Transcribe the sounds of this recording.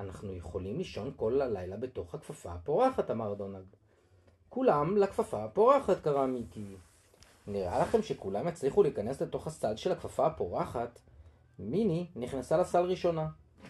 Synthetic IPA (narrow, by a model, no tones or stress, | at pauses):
anaχnuje̞χo̞limliʃo̞nko̞lːalajlabe̞to̞χhakfafa̰apo̞ʁaχatamaʁdo̞nald | kulamlakfafapo̞ʁaχatkaʁaːmiti | niʁa̰laχe̞mʃe̞kulamjat͡sliχuliːkane̞sle̞to̞χhasalʃe̞lakfafaapo̞ʁaχat | mininiχnasalasalʁiʃo̞na